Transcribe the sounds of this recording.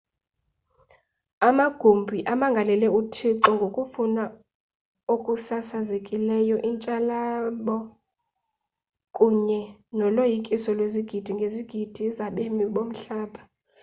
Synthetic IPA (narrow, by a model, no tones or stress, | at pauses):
amaɡ̥ʱumbʱiʔamaŋɡʱalɛlɛutʰiǁɔŋɡʱokʼufuna | okʼusasazekʼilɛjɔʔint͡ʃʼalaɓɔ | kʼuɲɛnɔlojikʼisɔlweziɡ̥ʱid̥ʱiŋɡʱeziɡ̥ʱid̥ʱizaɓemiɓom̩ɬaːɓa